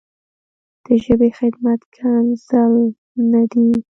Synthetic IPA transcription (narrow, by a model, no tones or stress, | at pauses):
d̪̥əʒəbexɪd̪mat̪kʰɑnzal | nad̪i